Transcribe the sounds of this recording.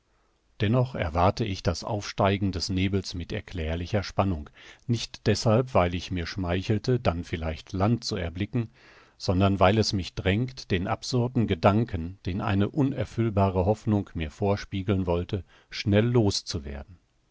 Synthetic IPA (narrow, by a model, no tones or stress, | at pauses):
d̥ɛnɔχɛɐvaɐtəɪçd̥asʔa̰ʊfʃtaɪɡŋ̩dɛsneːbl̩smɪtɛ̰ɐkl̥ɛːɐlɪçɐʃpanʊŋknɪçtd̥ɛshalpv̥aɪlɪçmiːɐʃmaɪçl̩tədanfɪlaɪçtʰlant̚t͡suɛɐblɪkŋ̩ | z̥ɔndɐnvaɪlɛsmɪçd̥ʁɛŋktd̥eːnʔa̰pz̥ʊɐdn̩ɡədaŋkʰənd̥eːnʔa̰ɪnəʔʊnɛɐfʏlbaːʁəɦɔfnʊŋkmiːɐfoːɐʃpiːɡl̩nvɔltə | ʃnɛlːoːst͡suvḛːɐdn̩